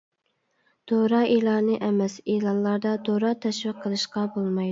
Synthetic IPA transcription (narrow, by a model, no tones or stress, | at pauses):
d̪̥oɾɑːelˠɑnɨʔɛmɛselˠɑnlˠɑɾd̪ɑd̪oɾɑt̪ʰɛʃwiqʰːəlˠɨʃqɑbolˠmɑjd̪